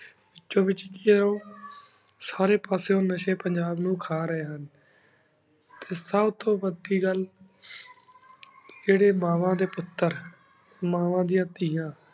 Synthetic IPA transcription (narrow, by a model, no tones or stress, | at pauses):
ɪt͡ʃːõːʋɪt͡ʃkiɾõː | saːɾeːpaːsjõːnəʃeːpəɲd͡ʒaːbnũːkʰaːɾəeːɦən | t̪eːsəbt̪õːʋəd̪iːɡəl | d͡ʒeːɽeːmaːʋãːd̪eːpʊt̪ːəɾ | maːʋãːd̪ĩjãːt̪iːjãː